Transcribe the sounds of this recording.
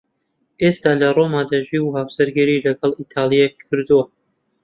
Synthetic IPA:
ʔeːst̪aːlɐroːmaːd̪aʒiwhaːwsɐɾɡiɾiːlɐɡɐlˠit̪ʰaːlˠijekʰːɨɾd̪uwɐ

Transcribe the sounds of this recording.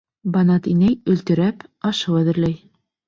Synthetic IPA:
bɑnɑt̪inæjɵ̆lt̪ɘ̆ɾæpɑʃɤwæðɘ̆ɾlæj

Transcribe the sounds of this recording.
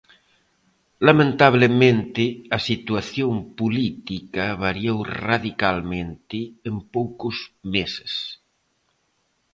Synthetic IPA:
lamẽnt̪aβlemẽnt̪ɪasit̪waθjõmpulit̪ikaβaɾjowraðikalmẽnt̪ɪːmpowkʊzmese̥s

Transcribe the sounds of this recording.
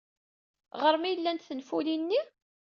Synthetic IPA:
ʁəɾmijəlːænt̪θənfulinːi

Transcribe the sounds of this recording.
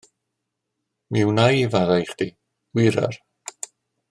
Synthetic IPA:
miwnajvaðajχd̥i | wɪɾa̰r

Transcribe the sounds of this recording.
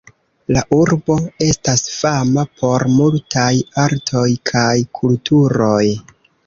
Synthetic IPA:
laʔuɾbo̞e̞stasfamapʰo̞ɾmultʰajaɾtʰo̞jkʰajkʰultuɾo̞j

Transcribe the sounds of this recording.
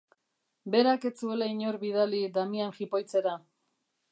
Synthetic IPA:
be̞ɾake̞t͡sue̞laiɲo̞ɾβiðalid̪amianxipo̞jt͡se̞ɾa

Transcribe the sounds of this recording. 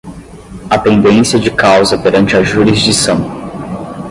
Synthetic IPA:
ɐt̪ẽnd̪ẽsiɐd͡ʒɪkawzɐpeɾɐ̃nt͡ʃɪɐʒuɾizd͡ʒisɐ̃w̃

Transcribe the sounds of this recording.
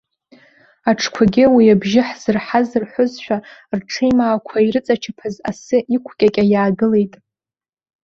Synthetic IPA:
aʈ͡ʂʰkʷʰaɡʲɪwiabʒɪħz̥ɨrħazɨrħʷʊzʃᶣarʈ͡ʂʰejmaːkʷʰaiɾɨt͡sʼat͡ʃʰapʰaza̰sɨʔikʷʰkʲʼakʲʼajaːɡɨle̞jtʼ

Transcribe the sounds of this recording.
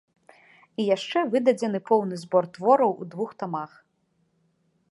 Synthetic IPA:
ijaʂt͡ʂɛvɨd̪ɐd͡zʲɛnɨpɔwnɨzbɔrt̪vɔɾɐwṵd̪vuxt̪amax

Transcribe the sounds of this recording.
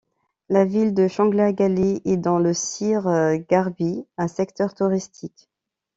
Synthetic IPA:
lavild̪əʃɑ̃ɡlaɡaleʔɛd̪ɑ̃ləsiʁɡaʁbiɛ̃sɛkt̪œʁt̪uʁist̪ʰik

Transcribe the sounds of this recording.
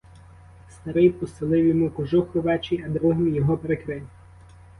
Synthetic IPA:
st̪ɐɾɪjpɔsɪlˠɪwjɔmukɔʒuxɔʋɛt͡ʃiɐd̪ɾuɦɪmijɔɦɔpeɾekɾɪw

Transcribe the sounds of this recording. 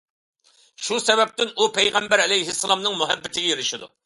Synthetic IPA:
ʃusɛbɛp̚t̪ɪnupʰɛjʁɛmbæɾɛlɛjɦɪsːɨlˠɑmnɨŋmuɦɛbːɪt̪ʰɪɡʲɛjeɾɪʃɪd̪ṵ

